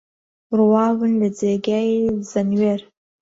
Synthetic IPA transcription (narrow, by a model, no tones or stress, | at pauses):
rwawɨnlɨd͡zeɡʲajzanɥer